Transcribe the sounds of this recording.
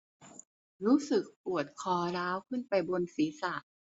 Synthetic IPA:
ɾuː˦˥sɯ˨˩k̚pu˨˩ət̪̚kʰɔː˨˦ɾaː˦˥wkʰɯ˥˩˨npa˧jbo˧nsiː˩˦sa˨˩ʔ

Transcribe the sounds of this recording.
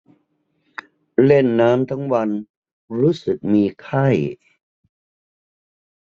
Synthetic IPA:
le˥˩nːaː˦˥mt̪ʰa˦˥ŋwa˧n | ɾuː˦˥sɯ˨˩k̚miː˧kʰa˥˩j

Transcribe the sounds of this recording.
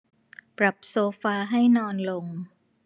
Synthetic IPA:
pɾa˨˩p̚soː˧faː˧ɦa˥˩jnɔː˧nlo˧ŋ

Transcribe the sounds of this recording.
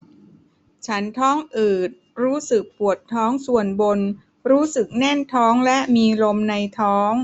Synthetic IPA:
t͡ɕʰa˦˥nt̪ʰɔː˦˥ŋʔɯː˨˩t̪̚ɾuː˦˥sɯ˨˩k̚pu˨˩ət̪ʰːɔː˦˥ŋsu˨˩ənbo˧n | ɾuː˦˥sɯ˨˩k̚nɛ˥˩nt̪ʰɔː˦˥ŋlɛ˦˥ʔmiː˧lo˧mna˧jt̪ʰɔː˦˥ŋ

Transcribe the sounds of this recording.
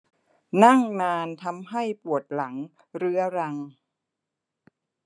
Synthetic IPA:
na˥˩ŋnaː˧nt̪ʰa˧mɦa˥˩jpu˨˩ət̪̚la˩˦ŋ | ɾɯ˦˥ɐɾa˧ŋ

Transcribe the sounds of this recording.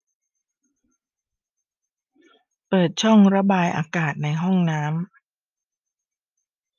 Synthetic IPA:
pɤː˨˩t̪̚t͡ɕʰɔ˥˩ŋɾa˧˥baː˧jʔa̰ː˧kaː˨˩t̪̚na˧jɦɔ˥˩ŋnaː˦˥m

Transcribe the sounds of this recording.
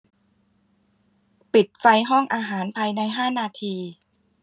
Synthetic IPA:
pi˨˩t̪̚fa˧jɦɔ˥˩ŋʔaː˧ɦaː˩˦npʰaː˧jna˧jɦaː˥˩naː˧t̪ʰiː˧

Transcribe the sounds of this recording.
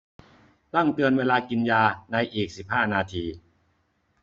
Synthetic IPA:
t̪a˥˩ŋt̪ɯ˧ənweː˧laː˧ki˧njaː˧na˧jʔiː˨˩k̚si˨˩p̚haː˥˩naː˧t̪ʰiː˧

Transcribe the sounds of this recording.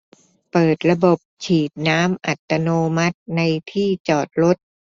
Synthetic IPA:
pɤː˨˩t̪̚ɾa˧bo˨˩p̚t͡ɕʰiː˨˩t̪̚naː˦˥mʔa˨˩t̪ːa˧noː˧ma˦˥t̪̚na˧jt̪ʰiː˥˩t͡ɕɔː˨˩t̪̚ɾo˦˥t̪̚

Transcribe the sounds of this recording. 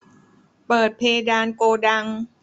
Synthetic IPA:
pɤː˨˩t̪̚pʰeː˧daː˧nkoː˧da˧ŋ

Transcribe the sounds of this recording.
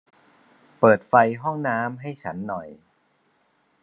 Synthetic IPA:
pɤː˨˩t̪̚fa˧jɦɔ˥˩ŋnaː˦˥mɦa˥˩jt͡ɕʰa˦˥nːɔ˨˩j

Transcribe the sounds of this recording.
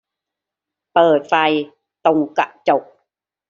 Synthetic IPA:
pəː˨˩t̪̚fa˧j | t̪o˧ŋka̰˧˩ʔt͡ɕo˨˩k̚

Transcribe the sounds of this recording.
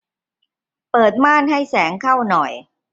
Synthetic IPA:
pɤː˨˩t̪̚maː˥˩nɦa˥˩jsɛː˩˦ŋkʰa˥˩wnɔ˨˩j

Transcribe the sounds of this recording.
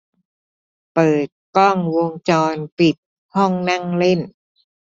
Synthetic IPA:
pɤː˨˩t̪̚kɔ˥˩ŋwo˧ŋt͡ɕɔː˧npi˨˩t̪̚ | hɔ˥˩ŋna˥˩ŋle˥˩n

